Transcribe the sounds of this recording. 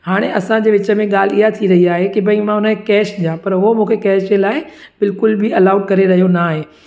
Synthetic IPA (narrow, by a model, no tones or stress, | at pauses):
haːɽ̃eʔɐsãd͡ʑeːʋɪt͡ɕə̆mẽɠaːl̤iɦat̪ʰiɾɐɦiaːɦekɪbɐĩmãɦʊnəekɛːʃɗijãpɐɾɦʊomũːkʰekɛːʃd͡ʑelaːɪ | bɪlkʊlbʱɪɐlaːʊɖkɐɾeɾɐɦijonaːɦeː